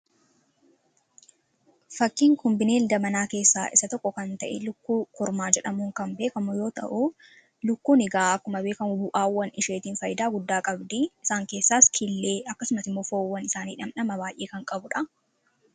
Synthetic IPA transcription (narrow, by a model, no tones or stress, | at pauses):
fɐkːiːŋkɔmbɪneːld̪ɐmɐnaːke̞ːsːaːʔɪsɐt̪ɔkːɔkɐnt̪ɐʔɛlʊkːuːkʊɾmaːd͡ʒɛᶑɐmuːŋkɐmbe̞ːkɐmʊjo̞ːt̪ɐ̰ʔʊ | lʊkːuːnɪɡaːɐkːʊmɐbe̞ːkɐmʊbʊʔaːwːɐnʔɪʃeːt̪iːnfɐjɪd̪aːɡʊd̪ːaːkʼɐbd̪iɪsaːŋke̞ːsːaːskʰɪlːeːɐkːɐsʊmɐsɪmːo̞ːfoːwɐnɪsaːniːᶑɐmnɐmɐbaːjʔeːkɐŋkʼɐbʊᶑɐ